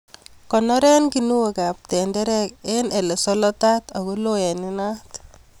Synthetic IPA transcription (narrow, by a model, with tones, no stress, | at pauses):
kɔ˨nɔ˦ɾɛ˦nkinu˦we˨ka˨p̚tɛ˨ndɛ˦ɾɛkene˨le˨sɔ˦lɔ˦tat̪a˨ko˦loɛ˨ni˦nat